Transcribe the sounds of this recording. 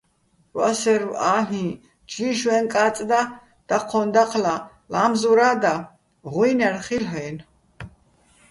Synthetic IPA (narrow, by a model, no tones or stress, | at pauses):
wa̰sɛɾwaːɦĩ | d͡ʒliʃwɛnkʼaːt͡s̪ʼd̪a | d̪̥aqʰɔnd̪aqʰla | lamzuɾad̪a | ʁwjnaɾχilɦɛːn